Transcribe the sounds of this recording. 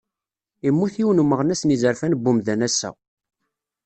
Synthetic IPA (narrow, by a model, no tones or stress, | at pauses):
imːuθiwənumːəʁnæsnizəɾfænbːumðænæsːæ̰